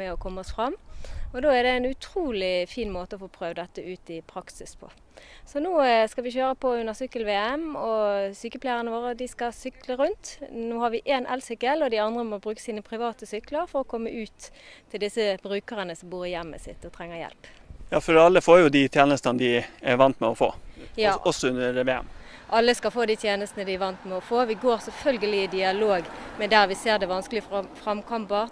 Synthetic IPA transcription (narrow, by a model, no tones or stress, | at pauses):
ɛɔkʰɔmːəɔsfʁɑmɔd̪oːæɾd̪ɛɛnʉt̪ʰɾuːlɪfiːnmoːt̪əɔfoːpʰɾøːʋd̪ɛt̪ːəʔʉːt̪ɪpʰɾɑksɪspʰɔ̰ | sɔnuːskɑʋɪçøːɾəpʰɔʉnːəʁsʏkːəlʋeːɛmɔsyːkəpʰlæɪʁənəʋoːɾəd̪ɪskɑsʏkləɾʉnt̪nuːhɑɾʋɪʔeːnʔɛ̰lsʏkəlɔd̪ɪɑnd̪ʁəmɔbɾʉːkə̥siːnəpʰɾɪʋɑːt̪əsʏkləɾfɔɾɔkʰɔmːəʔʉːt̪t̪ʰːɪld̪ɪsəbʁʉːkəʁənəsɔmbuːɾɪjɛmːə̰sɪ̰t̪ːɔt̪ʰʁɛŋːəjɛ̰lpjɑːfɔɾɑlːəfoːɾjʊd̪it̪ʰjeːnəst̪ənd̪ɪæʋɑnt̪mɛɔfo̰ːjɑːɔsɔʉnəɛʋeːɛ̰m | ʔɑlːəskɑfoːd̪it̪ʰjeːnəst̪ənəd̪ɪɛʋɑnt̪mɛɔfoːʋɪɡoːɾsɛlfœlɡəlɪɪd̪ɪɑloːɡmɛnd̪æɾʋɪseːʁd̪ɛʋɑnsklɪffɾɑmkʰɑmpə